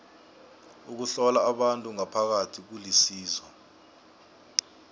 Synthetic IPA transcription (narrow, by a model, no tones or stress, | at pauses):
uk̬uɬɔlaːɓantʼuŋapʰak̬atʰik̬ulisiːzwɔ